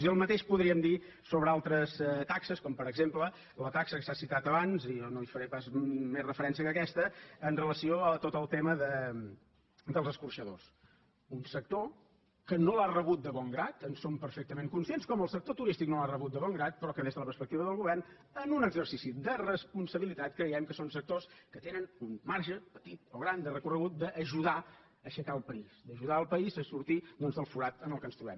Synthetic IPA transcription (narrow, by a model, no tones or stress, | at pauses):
siəlˠmət̪eʃpuðɾiəmd̪i | soβɾəalˠt̪ɾəst̪aksəskɔmpəɾəɡzemplə | lət̪aksəkəsasit̪at̪əβanzijɔnoifəɾepazmesrəfəɾɛnsiəkəkɛst̪əːnrələsioət̪ot̪əlˠt̪eməðə | d̪əlˠzəskurʃəðo̰s | unsək̚t̪o | kənolarəβut̪̚d̪əβɔŋɡɾat̪ənsompəɾfɛk̚t̪əmeŋkunsienskɔməlˠsək̚t̪ot̪uɾist̪ik̚nolarəβut̪̚d̪əβɔŋɡɾat̪̚pɾɔkəðezðələpəɾspək̚t̪iβəðəlˠɣuβɛrn | ənunəɡzəɾsisid̪ərəspunsəβilit̪at̪̚kɾəjɛmkəsonsək̚t̪oskət̪enənummaɾʒəpət̪it̪oɣɾand̪ərəkurəɣut̪̚d̪əʔːʒuða | əʃəkaəlˠpəizd̪əʒuðaəlˠpəizəsuɾt̪id̪ɔnzðəlˠfuɾat̪ənəlˠkənst̪ɾuβɛm